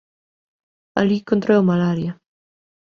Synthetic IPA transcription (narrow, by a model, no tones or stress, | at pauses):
a̰likont̪ɾɛwmalaɾja